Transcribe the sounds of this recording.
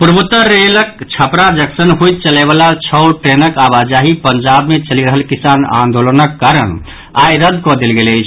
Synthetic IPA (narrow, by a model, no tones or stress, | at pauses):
puɾbut̪ːəɾelək̚t͡ʃʰəpɾad͡ʒəksənɦojt̪̚t͡ʃəlɛβalat͡ʃʰəwlʈɾenəkabad͡ʒaɦipəɲd͡ʒabmet͡ʃəliɾəɦəlkisanã̰nd̪olənəkːaɾəñ | a̰jɾəd̪ʱkɔd̪elɡeləjt͡ʃʰ